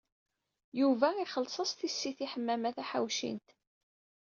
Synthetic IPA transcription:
juvæiχəlsˤəsˤt̪isːiθiħəmːæmæθæħa̰wʃḭnt̪

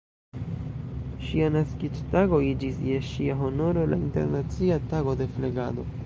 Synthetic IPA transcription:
ʃianaskit͡ʃtaɡo̞id͡ʒisje̞ʃiaɦo̞no̞ɾo̞la̰inte̞̰ɾnat͡siataɡo̞de̞fle̞ɡa̰do̞̰

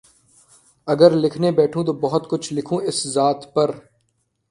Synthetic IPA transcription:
ɐɡəɾlɪkʰnebɛːʈʰũt̪oːbɐɦʊt̪kʊt͡ʃʰlɪkʰũːɪszaːt̪pɐɾ

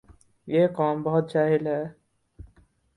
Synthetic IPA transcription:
jekɔːmbɔɦʊt̪̚t͡ʃaːɦilɦɛ

